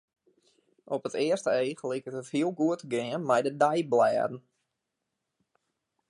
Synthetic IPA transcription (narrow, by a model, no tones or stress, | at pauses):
ʔɔpətɪəstəejχlikətəthiəlˠɡuətəɡɪənmɛjdədɛjblɛːdn̩